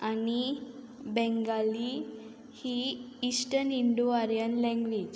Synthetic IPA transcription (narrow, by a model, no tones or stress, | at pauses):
ani | bɛ̃ŋɡali | hi | isʈəɾniɳɖoaɾijənlɛ̃ŋɡʋid͡ʑ